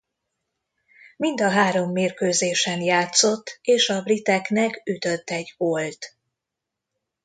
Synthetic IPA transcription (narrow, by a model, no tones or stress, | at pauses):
mind̪ɒɦaːɾo̞mːeːrkøːzeːʃɛnjaːt̪so̞t̪ːeːʃɒbrit̪ɛknɛkyt̪ø̞t̪ːɛɟolt̪